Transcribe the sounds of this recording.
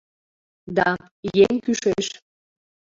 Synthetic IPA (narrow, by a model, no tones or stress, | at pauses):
d̪ɑ | jeŋkyʃeʃ